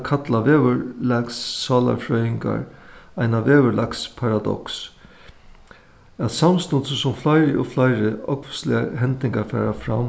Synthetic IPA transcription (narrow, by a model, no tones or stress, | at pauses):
kʰat̪laʋeːʋəɾlɛksːɑːla̰ɾfɾœːjɪŋka̰ɾajnaʋeːʋəlakspʰaɾad̪ɔ̰ks | æt̪samst̪ɔnt̪səsʊmflaɪɾɪʔoflajɾɪɔkvslɪ̰aɦɛnt̪nɪŋkaɾfɛ̰ːɾafɾam